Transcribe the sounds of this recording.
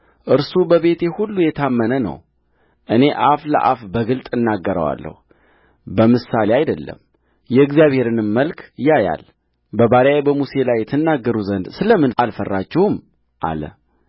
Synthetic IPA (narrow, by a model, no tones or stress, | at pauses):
ʔɨɾsubəβe̞t̪ɛhulːujɛt̪ʰamːənənə̰w | ʔɨne̞ʔaflə̰ʔafbəɡɨlt̪ʼɨnːaɡːəɾə̰wa̰lːə̰hu | bəmɨsaleajd̪əlːə̰m | jɛɨɡzijaβhe̞ɾɨnɨmːəlkʰjaja̰l | bəbaɾjajbəmuse̞lajːɛt̪ʰɨnːaɡːəɾuzənd̪sɨləmːɨnalfərːat͡ʃːɛwɨm | ʔa̰lə̰